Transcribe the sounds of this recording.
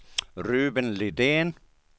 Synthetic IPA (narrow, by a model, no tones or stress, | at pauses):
ɾʉːbənlid̪eːn